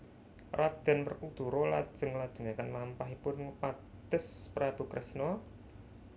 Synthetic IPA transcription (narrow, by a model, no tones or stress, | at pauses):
rʔad̪̥ɛ̤npərkud̪̥ṳɾɔlad̥ʒ̥ə̤ŋlad̥ʒ̥ə̤ŋakanlampaɦipʊnŋupa | t̪ʊspɾab̥ṳkɾɛsnɔ